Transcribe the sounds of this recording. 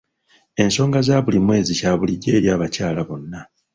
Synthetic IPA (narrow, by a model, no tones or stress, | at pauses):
e̞nso̞ːŋɡazaːβulimwe̞ːzicaːβuliɟːe̞ːɾjaːβacaːlaβo̞nːa